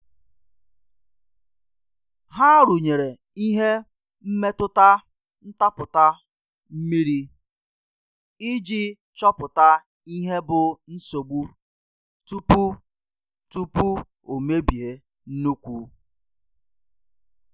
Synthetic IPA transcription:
ɦa˦ɾu˨ɲe˨ɾe˨ | i˦ɦe˦ | m̩˦me˦tʊ˦ta˦ | n̩˦ta˦pʊ˨ta˦ | m̩˦mi˦ɾi˦ | i˦d͡ʒi˦ | t͡ʃɔ˦pʊ˨ta˦ | i˦ɦe˦bʊ˨n̩˦so˨ɡ͡bu˦ | tu˦pu˦ | tu˦pu˦ | o˨me˦bi˨e˨ | n̩˦nu˦kʷṵ˦

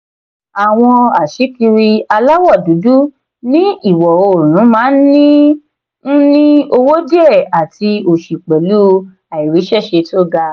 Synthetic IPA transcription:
a˨w̃ɔ̃˧a˨ʃi˨˦ki˧ɾi˧a˧la˦wɔ˦˨du˨˦du˦ | nĩ˦i˦˨wɔ˨o˧˨ɾ̃ũ˨˦mãː˦n̩˦nĩ˦ | n̩˦nĩ˦o˧wo˦di˦ɛ˦˨a˨tʰi˧o˨ʃi˨k͡pɛ˨lu˦ | a˨i˨ɾi˨˦ʃɛ˦˨ʃe˧to˦ɡa˧

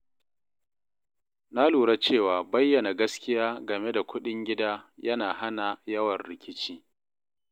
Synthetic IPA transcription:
na˦luː˨ɽa˦t͡ʃeː˦˨waː˨bɐ˦jːɐ˨na˨ɡɐ˦skʲɪ˦jaː˦ɡɐ˨me˦da˨kʷʊ˦ɗɪ˦ŋɡʲɪ˦daː˦jʔɐ˦naː˨ha˦na˨jɐ˦wɐ˨nɾɪ˨kʲɪ˦t͡ʃiː˦

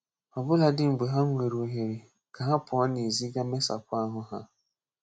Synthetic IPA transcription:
ɔ˨bʊ˦la˨dɪ˦ŋ͡m̩˨ɡ͡be˨ɦa˦ŋʷe˨ɾo˨ɦe˨ɾe˨ | ka˨ɦa˦pʊ˨ɔ˦ne˨zi˦ɡa˦me˦sa̰˨kʷa˦ɦʊ˦ɦa˦

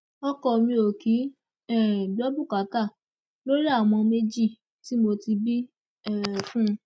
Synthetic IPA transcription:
ɔ˦kɔ˧mĩ˧o˨ki˨˦ | ɛ˦˨dɔ˦bu˦˨ka˨˦ta˦˨ | lo˦ɾi˦a˦˨w̃ɔ̃˧me˦d͡ʒi˦˨ | ti˨˦mo˧ti˧bi˦ | ɛ˦˨fũ˦˧

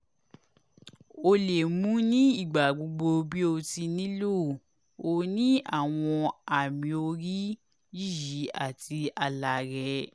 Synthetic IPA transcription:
o˧le˨mũ˦nĩ˦i˦˨ɡ͡ba˨ɡ͡bo˧ɡ͡bo˧bi˦o˧ti˧nĩ˦lo˦˨ | o˧nĩ˦a̰˦˨w̃ɔ̃˧a˨mĩ˨˦o˧ɾi˦ | ji˦˨ji˨˦a̰˦˨tʰi˧a˧la˨ɾɛ˧˦

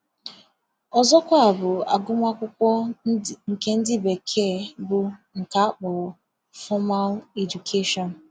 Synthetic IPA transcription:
ɔ˨zɔ˦kʷa˦a˨bʊ˨a̰˨ɡʊ˦mʷa˦kʷʊ˦kʷɔ˦ŋ̩˨ke˦n̩˦dɪ˦be˨kʰe˦˨bʊ˨ŋ̩˨ka˦k͡pɔ˨ | fɔ˦ma˦le˨d͡ʒu˨kʰe˦ʃɔ˨n̩˨

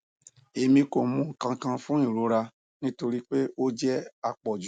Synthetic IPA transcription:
e˧mĩ˧ko˨mũ˨˦ŋ̩˨kã˧kã˧fũ˦i˦˨ɾo˨˧˦ɾa˧ | nĩ˦to˧ɾi˦k͡pe˦o˦d͡ʒɛ˦a˧k͡pɔ˨d͡ʒ

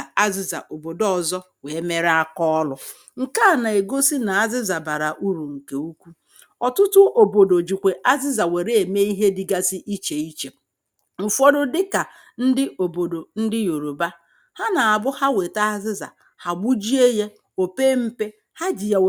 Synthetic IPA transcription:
a˦zɪ˦za̰˨ʔo˨bo˨dɔ˦zɔ˦ | we˨˦me˦ɾa˦kɔ˦lʊ˦ | ŋ̩˨ka˦a˨na˨e˨ɡo˦si˦na˨a˦zɪ˦za˨ba˨ɾa˨ʔu˦ɾu˨ŋ̩˨ke˨u˦kʷu˦ | ɔ˨tʊ˦tʊ˦ʔo˨bo˨do˨d͡ʒi˨kʷe˨ʔa˦zɪ˦za˨we˨ɾe˦e˨me˦i˦ɦe˦dɪ˨ɡa˦sɪ˦ʔi˦t͡ʃe˨i˦t͡ʃe˨ | m̩˨fɔ˦ɾʊ˦dɪ˦ka˨ | n̩˦dɪ˦ʔo˨bo˨do˨n̩˦dɪ˦jo˨ɾo˨ba˦ | ha˦na˨a˨bʊ˦ha˦we˨ta˦a˦zɪ˦za̰˨ | ha˨ɡ͡bu˦d͡ʒi˦e˦je˦ | o˨pe˦m̩˦pe˦ | ha˦d͡ʒi˨ja˨w

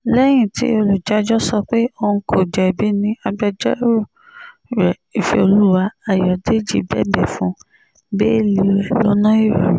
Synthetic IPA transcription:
lɛ˦j̃ĩ˦˨tḭ˦o˧lu˨d͡ʒa˦d͡ʒɔ˦sɔ˧k͡pe˦o˧ũ˧kʰo˨d͡ʒɛ˨bi˨˦nĩ˦a˧ba˦d͡ʒɛ˦ɾo˦˨ | ɾɛ˨i˨fḭ˨o˧lu˦wa˧a˨jɔ˨de˦˨d͡ʒḭ˧˨bɛ̰˦bɛ˦˨fũ˦ | be˦e˦˨li˧ɾɛ˨lo̰˨˦nã˦i˦˨ɾa̰˨ɾ̃

